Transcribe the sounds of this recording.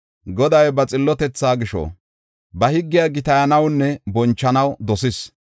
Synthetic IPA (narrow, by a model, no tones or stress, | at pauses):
ɡɔd̪ɐjbɐt͡sʼɪlːɔt̪ɛt͡sːaːɡɪʃɔ̰ | bɐhɪɡːɪjaɡɪt̪ɐjɐnɐwnːɛbɔnt͡ʃːɐnɐwd̪ɔsɪs